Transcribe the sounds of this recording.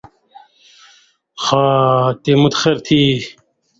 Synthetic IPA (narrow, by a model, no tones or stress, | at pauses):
xat̪emut̪xeɾt̪ʰi